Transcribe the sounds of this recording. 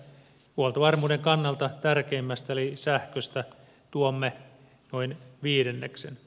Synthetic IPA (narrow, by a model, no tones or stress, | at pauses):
huolt̪oʋɑrmuːdeŋkɑnːɑlt̪ɑt̪ærkeimːæst̪æelisæhkøst̪æ | t̪uomːe | noinʋiːdenːeksen